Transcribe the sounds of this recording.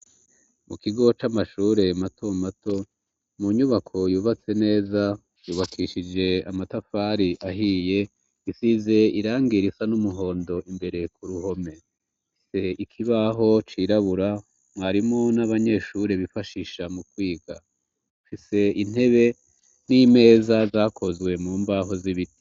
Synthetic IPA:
mukiɡo̞t͡ʃamaʃuːɾe̞matʰo̞mato̞ | muɲuβakʰo̞juːβat͡se̞ne̞ːza | juːβakʰiːʃid͡ʒe̞amatafaːɾiʔaɦije̞ | isize̞iɾaːŋɡiɾisanumuɦo̞ːndo̞ʔimbe̞ɾe̞kuɾuɦo̞me̞ | ise̞ikʰiβaɦo̞t͡ʃiːɾaβuɾa | mwaɾimŋo̞naβaɲe̞ːʃuɾeβifaʃiʃamukwiːɡa̰ | ufise̞in̥e̞βe̞ | nime̞ːzazaːkʰo̞zwe̞muːmbaɦo̞ziβiɾi

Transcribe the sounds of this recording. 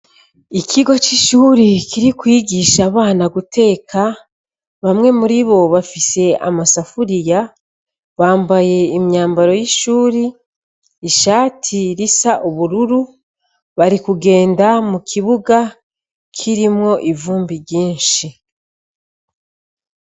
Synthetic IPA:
ikʰiɡo̞t͡ʃiʃuːɾikiɾikwiːɡiʃaβaːnaɡutʰe̞ːkʰa | βamŋe̞muɾiβo̞βafise̞a̰masafuɾija | βaːmbaje̞imɲaːmbaɾo̞jiʃuːɾiː | ʃaːtʰiɾisaʔuβuɾuɾu | βaɾikuɡe̞ːndamukʰiβuɡa | kʰiɾimŋo̞ʔivuːmbiɟiːnʃi

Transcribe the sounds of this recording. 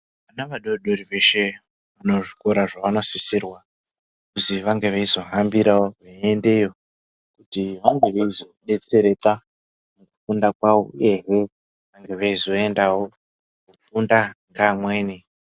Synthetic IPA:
ʋanaʋaɗo̞ɗoɾiʋe̞ʃe̞ | ʋano̞ʐiko̞ɾaʐaʋano̞sisirwa | kuziʋaŋɡe̞ʋeizo̞ɦambiɾaoʋaende̞jo | kutiʋaŋɡe̞ʋeizo̞ɗe̞t͡se̞ɾe̞ka | mukufundakwaṵje̞ɦe̞ | ʋaŋɡe̞ʋaizo̞e̞ndawo̞ | kufundaŋɡamwe̞ːni

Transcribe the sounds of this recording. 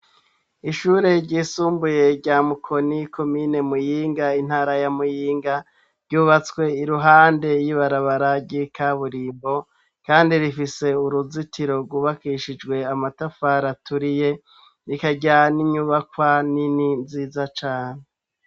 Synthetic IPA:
iʃuɾe̞ɾɟiːsuːmbuje̞ɟamukʰo̞nikʰo̞mine̞mujiːŋɡain̥haːɾajamujiːŋɡa | ɾɟuːβat͡swe̞iɾuɦaːnde̞jiβaɾaβaɾaɾɟikʰaβuɾiːmbo̞ | kaːndiɾifise̞uɾuzitiɾo̞ɾɡwuːβakiʃid͡ʒɡwe̞amatafaɾatuɾije̞ | ɾikaɟaniɲuβakwanininziːzat͡ʃaːɲe

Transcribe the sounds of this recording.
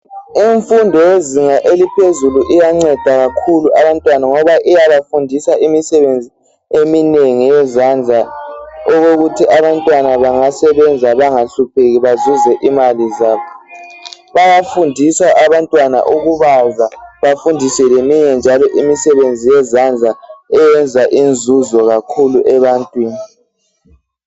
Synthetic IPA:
iɱfundʱɔjeziŋaʔelipʰezuluʔijaŋ͡ǀɛd̥ʱaɣakʰuluʔaβantʼwanaŋɔβaʔijaβafundʱisaʔimisɛβend͡zʱi | emineŋijɛzand͡ɮʱaoɣoɣutʰiʔaβantʼwanaβaŋasɛβɛnd͡zʱaβaŋaɬupʰeɣiβazuzɛʔimalizaːβɔ | βaɣafundʱisaʔaβantʼwana̰ʔuɣuβazaβafundʱisɛlemiɲɛnd͡ʒʱalɔʔimisɛβend͡zʱijɛzand͡ɮʱaɛjɛnd͡zʱaʔind͡zʱuzɔɣakʰuluʔɛβantʼwiːni

